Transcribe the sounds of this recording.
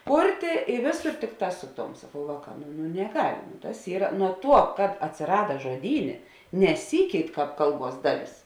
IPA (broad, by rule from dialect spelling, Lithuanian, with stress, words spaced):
ˈkʊrʲtʲeː ɪ ˈʋʲeːˌsoːr ˈtʲɪkˌtɑː ˈsʊ ˌtoːm sɐˈkɐʊ ˈʋɑːˌkɑː nʊ nʊ nʲɛˈɡɐlʲ ˈtɐs ˈiːrɐ nuɔ ˈtuɔ kɐt ɐtʲsʲɪˈrɑːdɐ ʒoːˈdʲiːnʲeː nʲɛˈsʲiːkʲɛɪt ˈkɑːp ˈkɐlˠˌbuɔs ˈdɑːˌlʲeːs